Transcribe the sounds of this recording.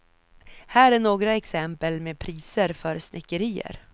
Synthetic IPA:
hæːɾæɳoːɡɾaɛksɛmpəlmeːpʰɾiːsəɾfœɾsnʔɪkːəɾiːə̰ɾ

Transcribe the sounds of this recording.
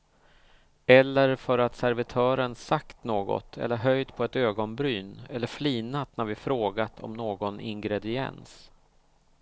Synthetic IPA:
ɛlːəɾfœɾat̪sæɾvɪt̪ʰœːɾənsakt̪noːɡɔ̰t̪ʰɛ̰lːəɾɦœjd̪pʰɔɛt̪øːɡɔnbɾyːnɛlːəɾfliːnat̪næɾvɪfɾoːɡat̪ʰɔ̰mnoːɡɔnɪ̰ŋɡɾɛd̪ɪɛ̰ns

